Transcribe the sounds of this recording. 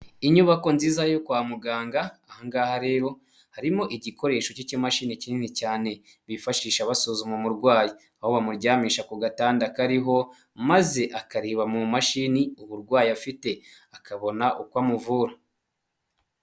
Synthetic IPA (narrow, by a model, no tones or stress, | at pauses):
iɲuβako̞nziːzajo̞kwaːmuɡaːŋɡaːhaŋɡaːhaɾe̞ːɾo̞ | haɾimo̞ʔiɟikʰo̞ɾe̞ːʃo̞cicimaʃinicininicaːne̞ | βifaʃiːʃaβasozumomuɾɡwaːji | aho̞βamuɾɟaːmiːʃakuɡataːndakaɾiɦo̞ | maze̞ʔakaɾiːβamumaʃiniuβuɾɡwaːjiafite̞ | akʰaβo̞naʔukwamuvuːɾa